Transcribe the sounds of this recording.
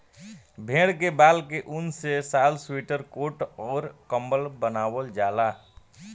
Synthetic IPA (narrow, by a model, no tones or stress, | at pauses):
bʱẽːɽkebaːlkeʔʊnsesaːlswiʈəɾkoːʈɔːɾkə̃mbəlbənaːwəld͡ʒaːla